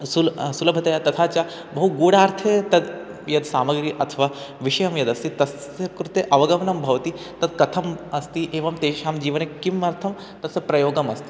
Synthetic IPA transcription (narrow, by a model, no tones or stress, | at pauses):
sulsulɐbʱɐt̪ɐjat̪ɐt̪ʰaːt͡ɕja | bɐɦuɡuːɽaːɾt̪ʰet̪ɐd̪ | jɐd̪saːmɐɡɾiːʔɐt̪ʰʋaːʋiʂɐjɐmjɐd̪ɐst̪it̪ɐsɐkɾut̪eʔɐʋɐɡɐʋɐnɐmbʱɐʋɐt̪i | t̪ɐd̪kɐt̪ʰɐmɐst̪iʔeːʋɐmt̪eːʃaːmd͡ʑiːʋɐnekːimɐɾt̪ʰɐm | t̪ɐsɐpɾɐjoːɡɐmɐst̪i̥